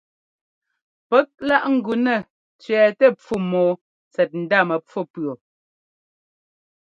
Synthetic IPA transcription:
pɛ˦k̚la˦ʔŋ̩˨ɡʉ˨nɛ˦˨ | t͡sɥɛː˨tɛ˦˨p͡fu˦˨mɔː˨ | t͡sɛ˨t̚n̩˨da˦˨mɛ˨p͡fu˦pɰo˨

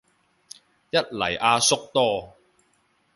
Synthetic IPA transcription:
jɐ˥t̚lɐ̰˨˩jʔaː˧sʊ˥k̚t̪ɔː˥

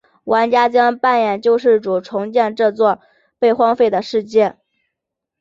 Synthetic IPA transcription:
wa˧˥nt͡ɕja˥t͡ɕjɑ˥ŋpa˥˩njɛ˨˩nt͡ɕjo˥˧ʊʂɻ̩˥˩ʈ͡ʂu˨˩ʈ͡ʂʰʊ˧˥ŋt͡ɕjɛ˥˧nʈ͡ʂɤ˥˧t͡swɔ˥˧ | pe˥˩ɪxwɑ˥ŋfe˥˩ɪd̪ə˩ʂɻ̩˥˧t͡ɕjɛ˥˩n

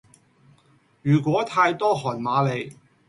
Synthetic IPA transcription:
jyː˨˩kwɔː˨˥t̪ʰaː˧jt̪ɔː˥ɦɔː˨˩nmaː˨˧le˨˧j

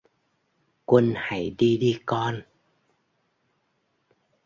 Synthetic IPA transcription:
kwə˧nha̰˧˥jɗi˧ɗi˧kɔ˧n

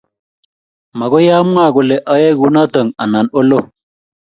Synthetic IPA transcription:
ma˨ɡo˦ja˦m˦a˦˨ɡu˨le˨ʔa˦je˦ɡu˨na˦tə˨ŋa˨na˨no˦lo˦

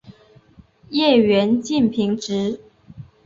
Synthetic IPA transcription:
jɛ˥˩ɥɛ˧˥nt͡ɕi˥˩npʰi˧˥ŋʈ͡ʂɻ̩˧˥

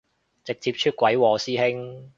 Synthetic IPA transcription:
t͡sɪ˨k̚t͡siː˧p̚t͡ʃʰyː˥t̚kʷɐ˨˥jwɔː˨˩siː˥hɪ˥ŋ

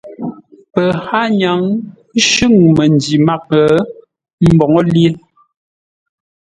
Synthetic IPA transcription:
pə˨ha˦ɲa˨˦ŋ˦ | ʃʉ˦˨ŋmə˨ndi˨ma˦k̚ə˨˦ | m̩˦bɔ˨ŋɔ˦lji˦e˦

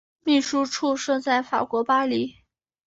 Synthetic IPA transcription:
mi˥˩ʂu˥ʈ͡ʂʰu˥˧ʂɤ˥˧t͡sa˥˩ɪfa̰˨˩kwɔ˧˥pa˥li˧˥

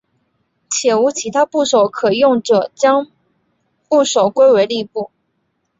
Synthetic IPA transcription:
t͡ɕʰjɛ˨˩u˧˥t͡ɕʰi˧˥t̪ʰa˥pu˥˩ʂo˨˩˦ʊkʰɤ˨˩jʊ˥˩ŋʈ͡ʂɤ˨˩˦t͡ɕjɑ˥ŋ | pu˥˩ʂo˨˩ʊkwe˥ɪwe˧˥ɪli˥˧pu˥˩

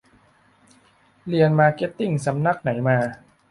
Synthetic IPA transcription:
li˧ənmaː˧ke˦˥t̪ːi˥˩ŋsa˩˦mna˦˥˩k̚na˩˦jmaː˧

